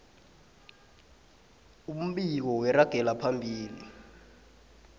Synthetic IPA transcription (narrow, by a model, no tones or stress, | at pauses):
um̩ɓik̬ɔwɛɾaɡ̥ʱɛlapʰambʱiːli